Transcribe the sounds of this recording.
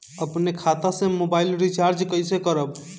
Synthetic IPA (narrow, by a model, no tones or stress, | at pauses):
əpnekʰaːt̪asẽmobaːɪlɾit͡ʃaːɾd͡ʒkəɪsekəɾəb